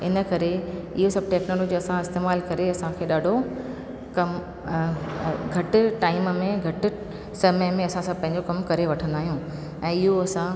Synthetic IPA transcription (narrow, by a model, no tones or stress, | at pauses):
ɪnə̆kɐɾeɪɦosɐbʱʈeːknoːloːd͡ʑɐsãɪst̪eːmaːlkɐɾeɐsãkʰeːɗaːɖʱo | kɐm | ɡʱɐʈɪ̆ʈaːɪmmẽɡʱɐʈɪ | sɐməjmẽɐsãsãpɐ̃ɦɪ̃ɲd͡ʑokɐmkɐɾeʋɐʈʰə̃nd̪aːɦijũː | ɛ̃ːɪɦoɐsã